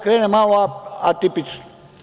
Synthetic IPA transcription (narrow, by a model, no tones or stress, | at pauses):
kʰɾenemãaat̪ipit͡sʰ